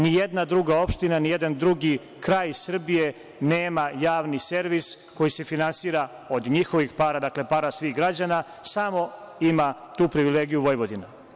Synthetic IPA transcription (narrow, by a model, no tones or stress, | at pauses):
nijed̪nad̪ɾuɡao̞pʃt̪inanijed̪and̪ɾuɡi | kɾaːjsr̩bije̞ | ne̞ːmajaːʋnise̞ɾʋis | ko̞jise̞finansiːɾa | od̪ɲixo̞ʋixpaːɾad̪akle̞paːɾasʋiːɣɡɾad͡ʑana | samo̞ | imat̪uːpɾiʋile̞ːɡijuʋo̞jʋo̞d̪ina